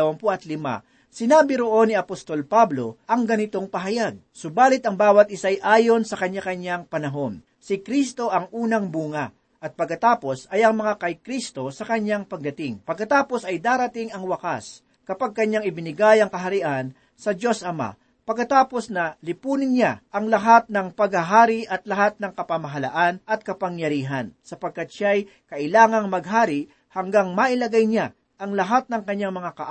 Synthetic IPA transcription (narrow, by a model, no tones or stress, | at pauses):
wɐmpoʔɐt̪lɪma̰ | sɪnaːbɪɾoʔo̞nːiɐpost̪o̞lpablo̞ʔɐŋɡɐnɪt̪o̞ŋpɐɦɐjaɡ̚sobaːlɪt̪ɐŋbaːwɐt̪̚ʔɪsajʔaːjo̞nsɐkɐɲːakɐɲaŋpɐnɐɦo̞n | sɪkɾist̪o̞ʔɐŋʔuːnɐŋbuːŋɐ | ʔɐt̪̚pɐɡkːɐt̪aːpo̞sɐjʔɐŋmɐŋakɐjkɾist̪o̞sɐkɐɲːaŋpɐɡ̚d̪ɐt̪ɪŋpɐɡ̚kɐt̪aːpo̞sɐjd̪aːɾɐt̪ɪŋɐŋwɐkas | kɐpaɡ̚kɐɲːaŋɪbɪnɪɡajɐŋkɐɦɐɾɪʔan | sɐd͡ʒo̞sʔɐma̰ | pɐɡkɐt̪aːpo̞snɐlɪpuːnɪnɲaʔɐŋlɐɦat̪̚nɐŋpɐɡhɐɦaːɾɪʔɐt̪lɐɦat̪̚nɐŋkɐpamɐɦɐla̰ʔanɐt̪̚kɐpɐŋjɐɾiːɦɐnsɐpɐɡ̚kːat̪̚ʃaj | kɐʔɪlaːŋɐŋmɐɡ̚ɦaːɾɪ | hɐŋɡaŋmaʔɪlɐɡajɲa | ʔɐŋlɐɦat̪̚nɐŋkɐɲːaŋmɐŋakɐʔ